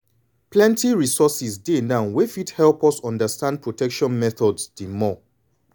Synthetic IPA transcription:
plɛ̃ntiɹisɔsisdenãʊnwefithɛlˠpɔsɔ̃ndəstãnd̚pʰɹotʰɛkʃɔ̃nmɛθɔdsdimɔ

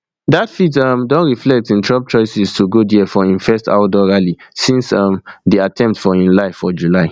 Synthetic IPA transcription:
datfitʌmdɔ̃nɹiflɛk̚tĩntʰɹɔb̚t͡ʃɔɪsistʰuɡodiəfɔĩnfɛsta̰ʊdɔɹalisĩnsʌ̃mdiatʰɛ̃mp̚tfɔĩnlaɪfɔd͡ʒulaɪ

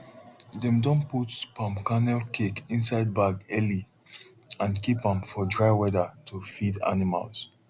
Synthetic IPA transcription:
dɛ̃mdɔ̃nputpʰãmkanɛlkʰekĩnsaɪd̚baɡɛli | ãnkipãmfɔdɹaɪwɛdətʰufida̰nima̰lˠs

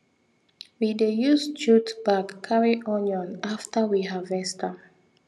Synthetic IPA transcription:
widejust͡ʃutbakːʰaɹiʔɔnjɔ̃naftəwiɦavɛstʰə

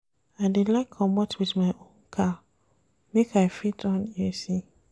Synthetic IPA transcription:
adilakʰɔ̃mɔtwidmãɪʔõnkʰa | mẽkʰafitɔ̃nɛsi

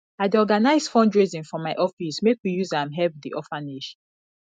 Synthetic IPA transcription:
aɪdɔɡanaɪzfɔ̃ndɹizĩnfɔmaɪʔɔfismekwijuzãmɦɛpdḭʔɔfaneʃ

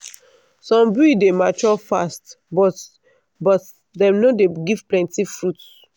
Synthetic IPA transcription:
sɔ̃mbidemat͡ʃɔfast | bɔt | bɔt | dɛ̃mnodeɡiv̥plɛ̃ntifɹut

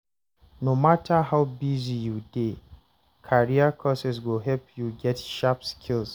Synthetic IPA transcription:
nomatʰaɦaʊbizijude | kʰaɹiakʰɔsɛs̬woɦɛlpjuɡɛtʃapskʰils

